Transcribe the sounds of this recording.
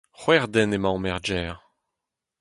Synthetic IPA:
χwɛʁd̪ɛnemãɔ̃mɛʁd͡ʒɛːʁ

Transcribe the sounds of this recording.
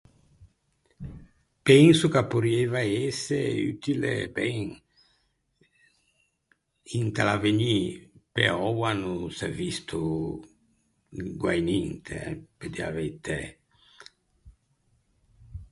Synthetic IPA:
pɛŋsukapuɾiɛvaɛseyt̪ilḛbɛŋ | iŋt̪alaveɲipḛɔwanusɛvist̪ʰu | ɡwajnint̪ʰḛɛped̪ia̰vejt̪ɛ

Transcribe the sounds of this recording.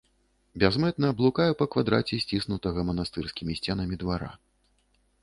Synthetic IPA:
bʲɛzmɛt̪̚nɐːblˠukajɛpɐkvad̪ɾa̰t͡sʲɛsʲt͡sʲisnut̪ɐɣɐmɐnast̪ɨrskʲimʲisʲt͡sʲɛnɐmʲid̪vaɾa̰

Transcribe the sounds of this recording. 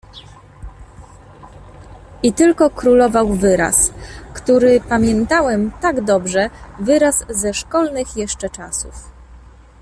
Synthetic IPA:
ʔit̪ɘlkɔkɾulɔvawvɘɾa̰skt̪uɾɘpamʲjɛnt̪awɛmt̪aɡd̪ɔbʐɛvɘɾaszɛʂkɔlnɘxjɛʂt͡ʂɛt͡ʂa̰sṵf

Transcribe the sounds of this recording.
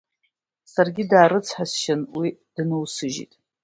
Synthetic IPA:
sarɡʲɪdaːɾɨt͡sʰħasʃanwid̥ɨnɨwsɨʒḭtʼ

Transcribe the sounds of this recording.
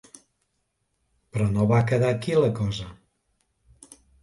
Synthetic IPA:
pɾɔnoβakəðakiləkɔzə

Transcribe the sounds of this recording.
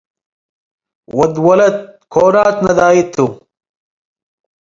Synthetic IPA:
wɐd̪wɐlɐt̪̚kʰoːnaːt̪nɐd̪aːit̪ʰːu

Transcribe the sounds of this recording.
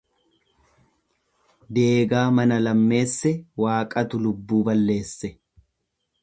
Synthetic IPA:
d̪e̞ːɡaːmɐnɐlɐmːe̞ːsːɛwaːkʼɐt̪ʊlʊbːuːbɐlːe̞ːsːɛ

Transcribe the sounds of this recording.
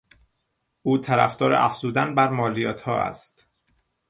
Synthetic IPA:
ʔuːt̪ʰæɾæ̰fd̪ɒːɾeʔæ̰fz̥uːd̪ænbæɾmɒːlijɒːt̪ʰhɒːæ̰st̪

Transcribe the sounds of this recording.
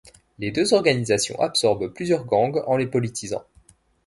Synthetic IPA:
led̪øzɔʁɡanizasjɔ̰̃ʔapsɔʁbplyzjœʁɡɑ̃ɡɑ̃lepɔlit̪ʰizɑ̰̃

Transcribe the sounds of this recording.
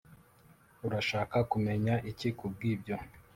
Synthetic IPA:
uɾaʃaːkakume̞ɲaʔicikub̚ɡiːbɟo̞

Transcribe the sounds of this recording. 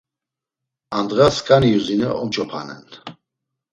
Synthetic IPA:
and̪ʁaskʼaniuzinəʔɔmt͡ʃʼɔpʰanɛ̰n

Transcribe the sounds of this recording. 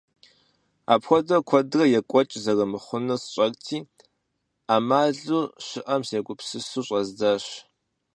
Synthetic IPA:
a̰ːpxʷɔdrɐkʷʰɔdrɐjɛkʷʼɔt͡ʃʼzɐrɐmɨχʷʊnɐsɕʼɐrʼtʰiː | aːmaːɮuːɕɪʔɐmsjɛkʷʼʊpsɨsuːɕʼɐzdaɕ

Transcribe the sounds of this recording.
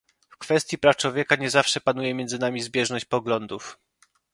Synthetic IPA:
fkfɛst̪ʲjipɾaft͡ʂwɔvʲjɛkaɲɛzafʂɛpanujɛmʲjɛnzɘnamʲizbʲjɛʐnɔɕt͡ɕpɔɡlɔnd̪uf

